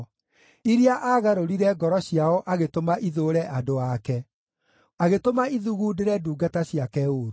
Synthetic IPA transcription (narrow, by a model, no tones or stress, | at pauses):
iɾiaʔaːɣaɾoɾiɾɛɡɔɾɔɕjaɔʔaɣetomaʔiðoɾɛʔadoakɛ | aɣetomaiðuɣuːdeɾɛduːɡataɕiakɛoɾo